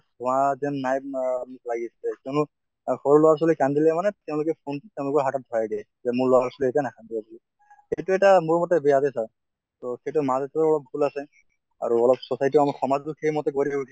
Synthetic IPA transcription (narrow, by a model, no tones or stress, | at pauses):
ɔazɛnnːajmlaɡisilɛkɛʊnʊ | xɔɹulɔaɹs̬ɔlikandilɛmanɛtɛʊ̃lʊkɛpʰonttɛʊ̃lʊkɔɹɦatat̚dʱɔaɡɛ | zɛmʊɹlɔaɹsɔliɛtanakʰandibabuli | xejtuɛtamʊɹmɔtɛbɛadɛsaɹ | tɔxejtumazɛtɔɔɹɔlɔp̚bʱulasɛ | a̰ɹuɔlɔp̚sɔsajtiamɔxɔmaztuxejmɔtɛkoɹibaukʰi